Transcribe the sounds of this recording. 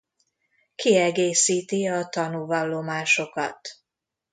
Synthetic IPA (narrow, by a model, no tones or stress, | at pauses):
kiɛɡeːsiːt̪iɒt̪ɒnuvɒlːo̞maːʃo̞kɒ̰t̪